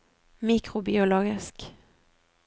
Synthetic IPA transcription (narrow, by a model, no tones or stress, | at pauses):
miːkɾʊbɪʊloːɡɪsk